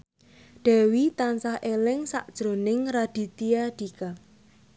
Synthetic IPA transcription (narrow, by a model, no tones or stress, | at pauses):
ɖ̥ɛ̤wit̪ansahʔelɪŋsa̰ʔd̥ʒ̥ɾo̤nɪŋɾad̥i̤t̪iaɖ̥ika